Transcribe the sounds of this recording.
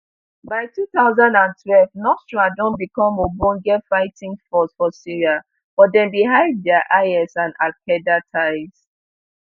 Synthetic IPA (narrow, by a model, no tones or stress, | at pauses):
baɪtʰuθaʊzãndãntʰwɛlvnɔstɹadɔ̃nbikɔ̃mobɔ̃ŋɡɛfaɪtĩŋfɔsfɔsiɹia | bɔdɛ̃nbiɦaɪd̚dɛaʔaɪɛsãnakʰɛdatʰaɪs